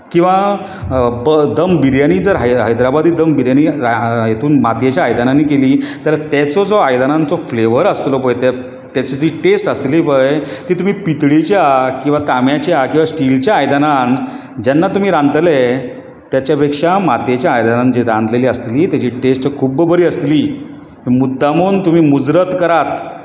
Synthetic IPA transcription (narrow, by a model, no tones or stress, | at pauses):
kĩw̃ʋa | bəd̪əmbiɾjaniːd͡zəɾɦaɦajd̪ɾabad̪iːd̪əmbiɾjaniajet̪ʰuːnmat̪jet͡ɕjaːjd̪ananːiːkeliːt̪alat̪ɛt͡sɔd͡zɔajd̪anãnt͡sɔfleʋəɾəst̪lɔpojt̪e | t̪ɛt͡sɔd͡ziːʈesʈəsliːpəjt̪iːt̪um̤iːpit̪ɽit͡ɕjakĩw̃ʋat̪amjat͡ɕjakĩw̃ʋasʈilt͡ɕjaːjd̪anan | d͡ʑanːat̪um̤iːɾãnd̪le | t̪jat͡ɕjapekʂamat̪jet͡ɕjaːjd̪anãnd͡ʑiɾãnd̪leliːəst̪liːt̪jat͡ɕiːʈesʈkʰuːbbəɾiːəst̪liː | mĩmud̪ʱːamunt̪um̤iːmud͡zɾət̪kəɾat̪